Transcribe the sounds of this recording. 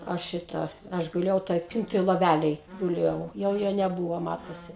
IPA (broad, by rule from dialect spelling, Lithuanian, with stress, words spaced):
ˈɐʃ ˈʃʲɪtɐ ˈɐʃ ɡʊˈlʲeːjɛʊ toːj ˈpʲɪntoːj lˠoːˈʋʲælʲeːj ɡʊˈlʲeːjɛʊ jɛʊ ˈjoː nʲɛˈbuːʋoː ˈmɑːtoːsʲɪ